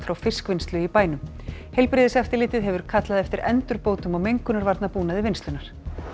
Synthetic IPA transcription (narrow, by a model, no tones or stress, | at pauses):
fɾawfɪskvɪnst̪lʏipaːjnʏm | hejlpɾɪːðɪsɛft̪ɪlɪːt̪ɪðɦɛvʏɾ̥kʰat̪laðɛft̪ɪɾɛ̰nt̪ʏɾpoːwt̪ʏmɔɣmejŋkʏnaɾvaɾt̪napuːnaðɪvɪnst̪ʏnaɾ̥